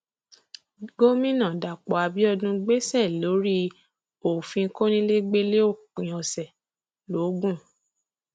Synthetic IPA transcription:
ɡo˦mĩ˦nã˦˨da˨k͡pɔ˨a˧bi˦ɔ˧dũ˧ɡ͡be˦sɛ˦˨lo˨˦ɾi˦ | o˨fĩ˧˦ko˦nĩ˦le˦ɡ͡be˦le˦o˦˨k͡pĩ˨ɔ̃˨sɛ˨ | lo˨˦ɡũ˦˨

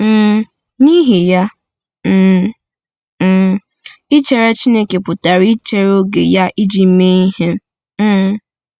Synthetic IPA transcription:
m̩ː˦˨ | ni˦ɦe˨ja˦ | m̩˦˨ | i˦t͡ʃe˨ɾe˦t͡ʃi˦ne˦ke˨pʊ˨ta˨ɾi˦t͡ʃe˨ɾo˦ɡḛ˨ja˦ʔi˦d͡ʒi˨˦me˦i˦ɦe˦˨

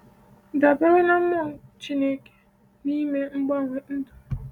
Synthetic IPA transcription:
da˨ba˦ɾʊ˦na˦mʊ˦˨t͡ʃi˦ne˦ke̥˨ | ni˦me˦ŋ͡m̩˦ɡ͡ba˦˨ɾʊ˨n̩˦dʊ˨

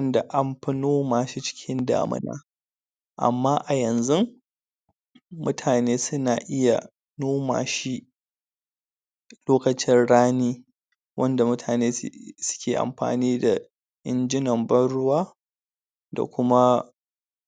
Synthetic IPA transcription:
wɐ˦nda˨ʔa˦mɸɐ˦noː˦maː˨ʃi˦t͡ʃɪ̥˦kʲʰɪ˦nda̰ː˨mʊ̰˦na̰ː˦ | ʔa̰˨mːaː˦ʔa˨jɐ˨nzʊ˦ŋ | mʊ˦tʰaː˨neː˦sʊ˦naː˨ʔɪ˦ja˨ | noː˦ma̰ː˨ʃi˦ | loː˦kɐ˨t͡ʃɪ˦nɽaː˦niː˦ | wʔɐ˦nda˨mʊ˦tʰaː˨neː˦sʊ̥˦kʲʰeː˨ʔa̰˨mɸa̰ː˨niː˦da˨ | ʔɪ˦nd͡ʒɪ˦nɐ˨mbɐ˦ɽʊ˦waː˦ | da̰˨kʷʊ˦ma˦

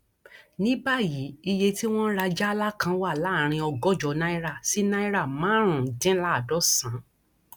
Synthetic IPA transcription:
nĩ˦ba˦ji˨˦i˧je˧ti˦w̃ɔ̃˦ɾa˧d͡ʒɛ˦a˧la˦kã˧˦wa˦˨la˨˦˨ɾ̃ĩ˧ɔ˧ɡɔ˦d͡ʒɔ˨˧˦nã˦i˦ɾa˦˨si˨˦nã˦i˦ɾa˦˨mãː˨˦ɾ̃ũ˨dɛ̃˦la˦a˨dɔ˨˦sã˨˦

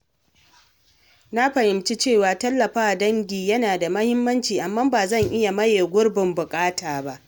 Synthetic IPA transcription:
na˦ɸɐ˨hɪ˨mt͡ʃi˦t͡ʃeː˦˨waː˨tɐ˦lːɐ˨ɸaː˦˨dɐ˦ŋɡʲiː˨jɐ˦naː˨da˨mɐ˦hɪ˦mːɐ˦nt͡ʃiː˨ʔa˨mːaː˦baː˨zɐ˦˨ŋʔɪ˦ja˨mɐ˦jeː˨ɡʷʊ˦rbɪ˨mbʊ˨kʼaː˦taː˨ba˦ʔ

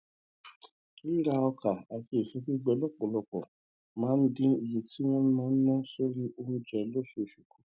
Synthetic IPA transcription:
i˦ɾa˧ɔ˧ka˨a˨ke˧˨so˨˦ki˦ɡ͡bɛ˧˦lɔ˦˨k͡pɔ̃˨lɔ˧k͡pɔ̰̃˨ | mãː˨˦n̩˦dĩ˦i˨je˨ti˨˦w̃ɔ̃˦n˦mãː˦n̩˦nã˦so˦ɾi˦o˧mũ˧d͡ʒɛ˨˧lo˦ʃo˧˨ʃu˨ku˨˦

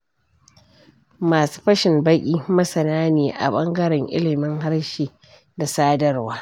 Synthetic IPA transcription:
maː˨su̥ː˦ɸɐ˦ʃɪ˨mbɐ˦kʲʼiː˦mɐ˦sɐ˨naː˦neː˨ʔa̰˨ɓɐ˦ŋɡɐ˦ɽɛ˨ŋʔɪ̰˦lɪ˨mɪ˦ŋɦa˦ɽʃiː˨ | da˨saː˦dɐ˦rwaː˦

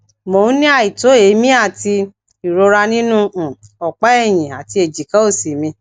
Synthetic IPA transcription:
mõ˨˦nĩ˦a˦˨i˨to˨˦e˨˦mĩ˦a˦˨ti˧ | i˨ɾo˧ɾa˧nĩ˦nũ˦˨ɔ˨k͡pɛ˦ɛ˦˨j̃ĩ˨a˨ti˧˦e˨d͡ʒi˨kã˨˦o˦˨si˨mĩ˧

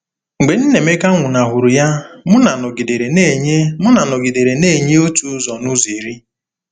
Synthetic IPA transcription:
ŋ̩˨ɡ͡be˨n̩˦ne˨me˦ka˦ŋʷʊ˨na˨ɦʊ˨ɾʊ˨ja˦mʊ˦na˨nʊ˨ɡi˨de˨ɾe˨ne˦˨ɲe˦mʊ˦na˨nʊ˨ɡi˨de˨ɾe˨ne˦˨ɲe˦o˦tu˨˦zɔ˨nʊ˦zi˨ɾi˦

